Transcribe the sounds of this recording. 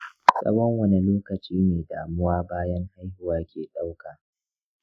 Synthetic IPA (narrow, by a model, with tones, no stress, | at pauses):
sʼɐ̰˦wɔ˦ŋwɐ˦ni˨loː˦kɐ˨t͡ʃʼiː˦neː˨daː˨mʊ˦waː˦baː˦jɐ˦ŋha˦jhʊ˨waː˦kʲeː˨ɗa˦wkaː˨